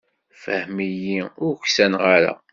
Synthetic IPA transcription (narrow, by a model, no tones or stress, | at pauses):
fə̰hmijiʊɾçsænʁaɾa̰